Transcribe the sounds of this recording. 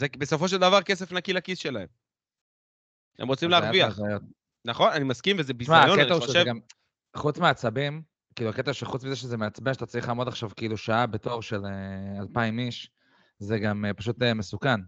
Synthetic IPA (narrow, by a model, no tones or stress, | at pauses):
zebeso̞fo̞ʃ̬eld̪avaʁkes̬efnakilakisʃe̞laem | ḛmʁot͡simleaʁaviaajot̪ | naχo̞nanimaskimvezebizʃmaajoketaoʃeeɡam | χut͡smeat͡sabim | kiːluaket̪aʃeχut͡smizeʃezemeat͡sbeʃat̪at͡sliχlaːmo̞d̪aχʃavkiiluʃaabe̞t̪o̞ʁʃelealpaimiʃ | zeɡamepaʃut̪emesukan